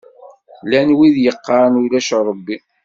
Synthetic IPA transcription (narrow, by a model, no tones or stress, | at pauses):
lænwiðjəqːɑɾˤnulæʃɾˤrˤːəbːi